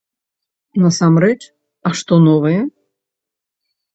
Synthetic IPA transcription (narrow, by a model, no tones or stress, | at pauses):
nɐsamɾɛt͡ʃ | ɐʂt̪ɔnɔvɐjɛ